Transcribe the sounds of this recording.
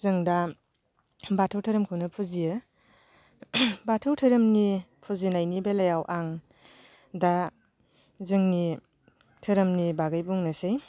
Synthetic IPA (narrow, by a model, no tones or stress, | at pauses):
zɯŋda | batʰɯwtʰɯɾɯmkʰɯwnɐpʰuzijɯ | batʰɯwtʰɯɾɯmnipʰuzinajnibelajawʔaŋ | da | zɯŋni | tʰɯɾɯmnibaɡajbuŋnasej